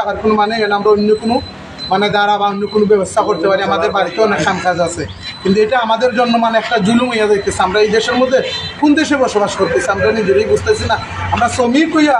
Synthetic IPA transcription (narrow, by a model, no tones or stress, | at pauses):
abaɾkonomanekɛnamɾaonːokunu | maned̪aɾabaojnːokunubɛbost̪ʰakoɾt̪epaɾiamad̪eɾbaɾit̪enekʰamkad͡ʑasʰe | kint̪uejʈaamad̪eɾd͡ʑɔnːɔmaneɛk̚ʈad͡ʑulumojazajt̪esʰeamɾaejd̪eʃeɾmod̪ʱːekund̪eʃebɔʃobaʃkoɾt̪esʰeamɾanid͡ʑeɾejbud͡ʑt̪ajsʰina | amɾasomikoja